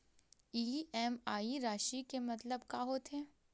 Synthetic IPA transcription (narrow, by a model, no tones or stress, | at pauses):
iːɛːmaːiɾaːʃikemɐt̪ləbkaːɦot̪ʰeː